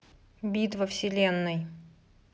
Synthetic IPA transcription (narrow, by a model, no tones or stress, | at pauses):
bʲit̪vəfsʲɪlʲenːɨj